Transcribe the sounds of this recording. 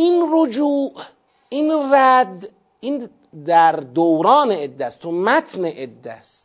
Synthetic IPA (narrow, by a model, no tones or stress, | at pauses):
inɾod͡ʒuːʔ | iːnræd̪ | ʔiːn | d̪æɾd̪owɾɒːneed̪ːæst̪ʰomæt̪ʰneʔed̪ːæst̪